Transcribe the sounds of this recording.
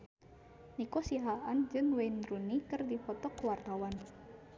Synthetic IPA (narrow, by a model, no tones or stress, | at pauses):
nikɔsiɦaand͡ʒɨŋwenɾunikərdifɔt̪ɔkəwart̪awan